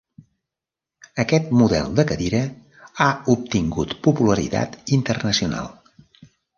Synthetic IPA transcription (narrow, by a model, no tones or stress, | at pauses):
əkɛt̪̚muðɛ̰lˠd̪əkəðiɾə | aup̚t̪iŋɡut̪pupuləɾḭt̪a̰t̪int̪ərnəsiuna̰lˠ